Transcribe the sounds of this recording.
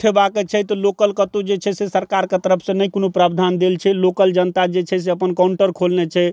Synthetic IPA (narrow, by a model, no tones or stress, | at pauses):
ʈʰebaket͡ʃʰɛt̪ɔlokəlkət̪ud͡ʒet͡ʃʰɛsesəɾkaɾket̪əɾəpʰsə̃nəjkonopɾabd̪ʱand̪elt͡ʃʰɛlokəld͡ʒənt̪ad͡ʒet͡ʃʰɛs̬eəpənkauɳʈəɾkʰolnet͡ʃʰɛ